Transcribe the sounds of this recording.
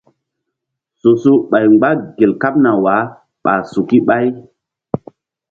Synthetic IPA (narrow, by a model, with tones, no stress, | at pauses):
su˨su˦ɓa˨jŋ͡mɡ͡ba˦ɡe˨lka˦p̚na˨wa˨˦ | ɓa̰˨su˨ki˦ɓa˦j